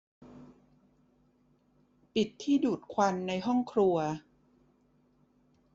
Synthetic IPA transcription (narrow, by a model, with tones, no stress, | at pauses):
pi˨˩t̪ʰːiː˥˩duː˨˩t̪̚kʰwa˧nːa˧jɦɔ˥˩ŋkʰɾu˧ɐ